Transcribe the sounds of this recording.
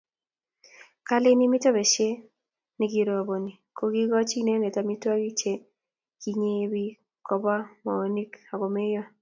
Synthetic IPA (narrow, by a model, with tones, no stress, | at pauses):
ka˦lɪ˦ni˦mɪ˦tɔ˦be˨t͡ʃe˦ | ni˨ɡi˨ɾo˨bo˨ni˨ko˨ɡi˦ɡɔ˦t͡ʃi˦ne˦ne˨ta˨mi˦ta˦ɡi˦t͡ʃe˦ | ɡ̥i˨ɲe˦bi˦ | kɔ˨ba˦ma̰˨o˨ni˦ka˨ɡo˨me˦jɔ˦